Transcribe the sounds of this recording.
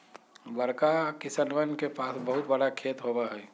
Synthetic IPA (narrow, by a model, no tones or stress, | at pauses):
bəɾkakɪsənʋənkepaːsbəɦʊt̪bɐɽakʰeːt̪ɦobaɦɛː